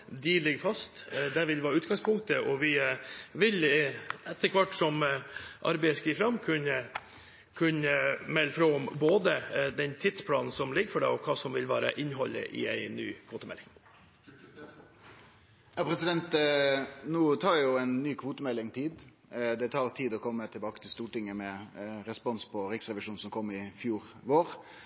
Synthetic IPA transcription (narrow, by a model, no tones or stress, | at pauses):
d̪ɪlɪɡfɑst̪d̪æɾʋɪlʋɑːɾʉːt̪ɡɑŋspʰʊŋt̪əʔɔʋɪʋɪlɛt̪ːəɾkʰʋɑʈːsɔmʔɑ̰ɾbæɪskiːfɾɑmːkʰʉnə | kʰʉnːəmɛlːəfɾoːɔmboːd̪əd̪ɛnt̪ʰɪt̪spʰlɑːnn̩sɔmlɪɡəɾfɔɖɛ̰ːɔkʰɑːsɔmʋɪlʋɑ̰ːɾɑ̰ʔɪnɦɔlːɪ̰ʔɪ̰æɪny̰ːkʰʋoːt̪əmɛ̰lːɪŋ | jɑpʰɾɛsɪd̪ɛnt̪ | nuːt̪ʰɑːɾjʊæɪnːyːkʰʋuːt̪əmɛlːɪŋt̪ʰiːd̪ | d̪ɛt̪ʰɑːʁt̪ʰiːd̪ɔkʰɔmːət̪ʰɪlbɑːkət̪ʰɪlst̪uːʈɪŋːəmɛɾɛspɔnspʰɔɾɪksʁɛʋɪʂuːnsɔmkʰɔmːɪfjuːʁʋoːɾ